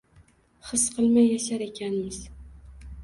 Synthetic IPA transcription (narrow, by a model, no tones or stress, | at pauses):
χɨsqʰɨlˠmajːaʃaɾe̞kʲʰanɪɪz̥